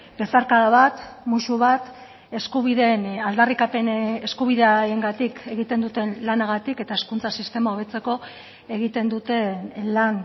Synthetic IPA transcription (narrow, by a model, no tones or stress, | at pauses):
b̥e̞saɾkaðaβat̪muʃuβat̪ | e̞skuβiðe̞nald̪arikapeneskuβ̞iðeaɾeŋɡat̪ike̞ɣit̪e̞nd̪ut̪e̞nlanaɣat̪ike̞t̪aeskunt͡sasist̪e̞mao̞β̞e̞t͡se̞ko̞ | e̞ɣit̪e̞nd̪ut̪e̞nlan